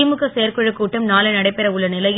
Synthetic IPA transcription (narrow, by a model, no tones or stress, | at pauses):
mɯkːɐsejɐɾkɔɻɯkːuːʈːɐmnaːlɐnɐɽɐɪpːɛɾɐʊɭːɐnɪlɐj